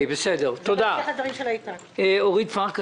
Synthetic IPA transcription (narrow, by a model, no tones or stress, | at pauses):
jbesed̪eʁt̪od̪aad̪vaʁimʃelajt̪a | eoʁid̪faʁk